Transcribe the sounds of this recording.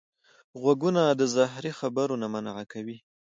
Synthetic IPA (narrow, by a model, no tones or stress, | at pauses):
ɣwaɡunad̪əzaɦɾixabaɾonamanaʕakawi